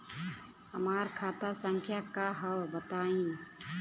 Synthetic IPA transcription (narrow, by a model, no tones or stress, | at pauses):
həmaːɾkʰaːt̪asə̃ŋkʰjakaɦəwbət̪aːĩː